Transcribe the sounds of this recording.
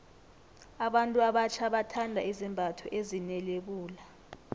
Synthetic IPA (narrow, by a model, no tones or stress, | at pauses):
aɓantʼuaɓat͡ʃʰaɓatʰandʱaizimbʱatʰɔʔezinɛleɓuːla